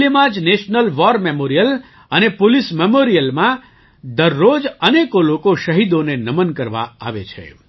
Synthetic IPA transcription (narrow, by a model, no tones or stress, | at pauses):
limãd͡ʒneʃnəlʋɔɾmemoɾijəl | ənepolismemoɾijəlmã | d̪əɾːod͡ʒənekolokoʃəɦid̪onenəmənkəɾʋa̰a̰ʋḛt͡ʃʰḛ